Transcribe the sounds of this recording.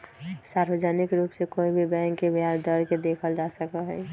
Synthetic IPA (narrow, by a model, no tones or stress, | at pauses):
saɾbəd͡ʒaːnɪkɾuːpsekoːibʱibɛ̃ŋkːebʱjaɾd̪əɾked̪eːkʰəld͡ʒasəkəɦɛ̰